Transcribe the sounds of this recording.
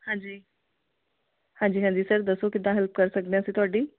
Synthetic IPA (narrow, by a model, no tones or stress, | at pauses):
hãːɲd͡ʒiː | hãːɲd͡ʒiːɦãːɲd͡ʒiːsəɾd̪əsokɪd̪ːãːɦɛlpkəɾsək̚d̪eãːsĩt̪ʊaːɖiː